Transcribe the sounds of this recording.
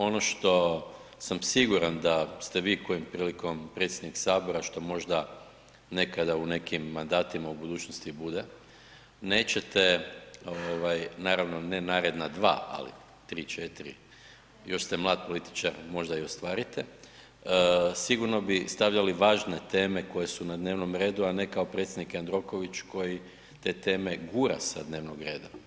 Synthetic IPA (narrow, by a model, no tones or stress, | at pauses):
o̞no̞ʃt̪o̞ | samsiɡuɾand̪ast̪e̞ʋiːko̞jompɾiːliko̞mpɾe̞t̪sʲjed̪niksaːbo̞ɾaʃt̪o̞mo̞ʒd̪a | ne̞kad̪aune̞kimːand̪aːt̪imaubud̪uːt͡ʃnost̪ibud̪e̞ | ne̞ːt͡ɕe̞t̪eoʋajnaːɾaʋno̞nenaːɾed̪nad̪ʋa̰ːʔa̰lḭ | t̪ɾit͡ʃet̪iɾḭ | jo̞ʃst̪emlˠaːd̪̚po̞lit̪i̥t͡ʃaɾmo̞ʒd̪aio̞st̪ʋaːɾit̪ɛ | siɡuɾno̞bist̪aʋʎaliʋaːʒne̞t̪e̞ːme̞ko̞je̞sunad̪ne̞ːʋno̞mɾe̞ːd̪uane̞kao̞pɾe̞t̪sʲjd̪nikand̪ɾo̞ko̞ʋit͡ʃko̞ji | t̪e̞ːt̪e̞ːme̞ɡuːɾa̰sad̪ne̞ːʋnoɡɾe̞ːd̪a